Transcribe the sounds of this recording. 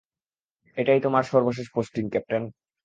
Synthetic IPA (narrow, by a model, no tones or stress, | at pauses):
eʈajt̪omaɾʃɔɾboʃ̬eʃ̬posʈiŋkɛp̚ʈan